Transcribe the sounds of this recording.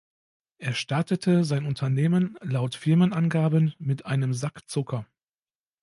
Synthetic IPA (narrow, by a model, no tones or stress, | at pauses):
ʔeːɐʃtaɐtətʰəzaɪnʊntʰɐneːmənlaʊtfɪɐmənʔanɡaːbənmɪtʔaɪnəmzakt͡sʊkʰɐ